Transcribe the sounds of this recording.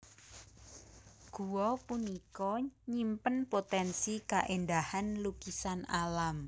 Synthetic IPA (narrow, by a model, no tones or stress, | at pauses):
ɡ̥uwɔpunikɔɲimpənpot̪ɛnsikaʔendahanlukisanalam